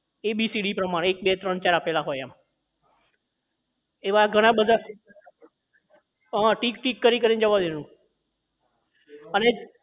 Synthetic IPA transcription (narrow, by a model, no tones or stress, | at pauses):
ebisiɽipɾəmaɽ̃eek̚bet̪ɾəɳt͡ʃaɾapelaɦojam | eʋaɡʱəɽ̃abəd̪ʱa | ɦãʈikʈikːəɾikəɾind͡ʒəʋad̪enũ | əne